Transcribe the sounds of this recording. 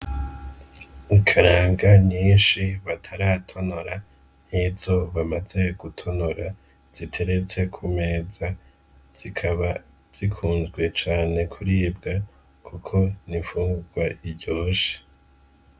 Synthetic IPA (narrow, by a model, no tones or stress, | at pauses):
ikʰaɾaːŋɡaɲiːnʃiβatʰaɾaːtʰo̞noɾa | niz̥o̞βamaze̞ɡ̥utʰo̞noɾa | z̥itʰe̞ɾe̞t͡se̞kʰume̞ːza | z̥ikʰaβa | z̥ikʰuːnzɡwe̞t͡ʃaːne̞kʰuɾiːb̚ɡa | kʰukʰo̞niɱfuːŋɡuɡwaʔibɟo̞ːʃe̥